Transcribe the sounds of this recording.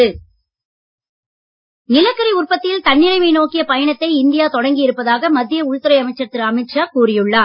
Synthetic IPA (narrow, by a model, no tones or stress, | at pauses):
ɯ | nɪlɐkːɐɾiʊrpɐt̪ːɪlt̪ɐnːɪɭɐɪmɐɪnoːkːɪjɐpɐjɐɳɐt̪ːɐɪɪnd̪ɪjaːt̪ɔɽɐŋɡɪjɪɾɯpːɐðaːɣɐmɐd̪ːɪjɐʊɻt̪ɯɾɐɪɐmɐɪt͡ʃːɐɾt̪ːɪɾɐmɐɪʈt͡ʃaːkuːɾɪjɯɭːaː